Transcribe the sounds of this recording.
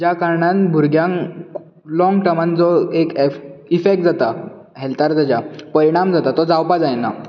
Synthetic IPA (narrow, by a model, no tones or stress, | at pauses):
d͡ʑjakaɾɳãnbʱuɾɡjãŋ | lɔ̃ŋɡʈəmand͡zɔekifek̚ʈ̚d͡zat̪a | ɦɛlt̪aɾd͡zad͡ʑapəɾiɽ̃amd͡zat̪at̪ɔd͡zawpad͡zajna